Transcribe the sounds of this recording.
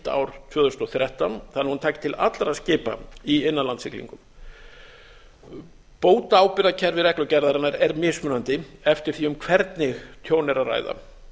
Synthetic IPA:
t̪a̰ːwɾ̥t̪ʰvœːðʏst̪ɔθɾjɛht̪anθanːɪhunt̪ʰaːcɪ̥t̪ʰɪla̰t̪lɾaðscɪːpa̰iɪnːanlant̪sɪklḭŋkʏm | poːwt̪aːwpɪɾacʰɛɾvɪɾɛklœcɛɾðaɾanaɾɛɾmɪ̥ːsmʏːnant̪ɪɛft̪ɪɾ̥θiːʏmkʰvɛɾt̪nɪɣt̪ʰjoːwnɛɾara̰jða̰

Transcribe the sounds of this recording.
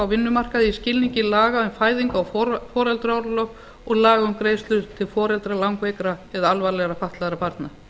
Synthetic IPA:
awvɪnːʏmar̥kaðɪiscɪlniɲcɪlaːɣaðʏnfaːjðiŋkawɔfɔːɾɛlt̪ɾɔwɾlœ | ɔɣlaːɣaʏmkɾeːjst̪lʏɾt̪ʰɪlfɔːɾɛlt̪ɾalawŋkvejkɾaɛðalvalɛɣɾafaht̪laɣɾapʰaɾt̪na

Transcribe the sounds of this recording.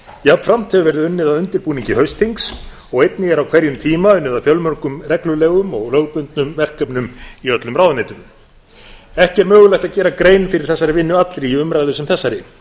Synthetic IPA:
jɛavfɾam̥t̪hɛvʏɾvɛɾðɪʏnːɪðaðʏnt̪ɪɾpuːniɲcɪhœɥst̪iŋks | ɔɣejt̪nɪɣɛɾawkʰv̥ɛɾjʏmt̪ʰiːmaʏnːɪðafjœlmœɾkʏmrɛklʏlɛːɣʏmɔɣlœwɣpʏnt̪̚nʏmvɛr̥kœpnʏmiœt̪lʏmrawðanejt̪ʏm | ɛhcɛɾmœːɣʏlajht̪aðcɛːɾakɾeːjnfɪɾɪɾ̥θɛsːaɾɪvɪnːʏat̪lɾiiʏmɾajðʏsʏmθɛsːaɾɪ

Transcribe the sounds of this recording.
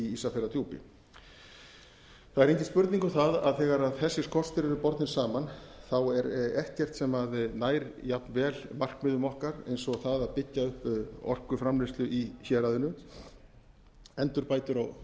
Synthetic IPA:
iisafɛɾat̪ʰjuːpɪ̰ | θaðɛɾejɲcɪspʏɾt̪niŋkaθaða̰ðθɛːɣaɾaðθɛsːɪskʰɔr̥st̪ɪɾɛɾʏpɔɾt̪nɪnsaːmanθawɛɾɛht̪cɛr̥t̪sɛmaðnaːjɾjap̪nvɛːlmar̥kmɪðʏmɔhkaɾḛjnsɔɣθaðaðpɪcːaʏhpɔ̰r̥kʏfɾamlɪst̪lʏʔiçɛːɾaðɪnʏ | ɛnt̪ʏɾpaːjt̪ʏɾɔɣ

